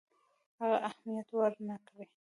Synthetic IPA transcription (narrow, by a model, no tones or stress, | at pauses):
haɣaʔahmijat̪waɾnakɾi